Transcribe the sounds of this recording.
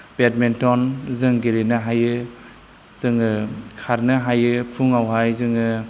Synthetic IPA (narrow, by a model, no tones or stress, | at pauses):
bet̚mentɔnzɯŋɡeɾenɯɦajɯ | zɯŋɯkʰaɾnɯɦajɯpʰuŋawɦajzɯŋɯ